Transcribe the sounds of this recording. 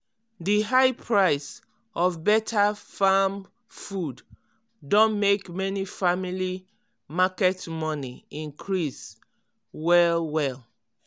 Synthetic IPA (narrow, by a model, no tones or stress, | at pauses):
diɦaɪpʰɹaɪs | ɔvbɛtʰafam | fudː | ɔ̃nmekmɛnifamili | makɛtmɔniĩnkʰɹis | wɛlwɛl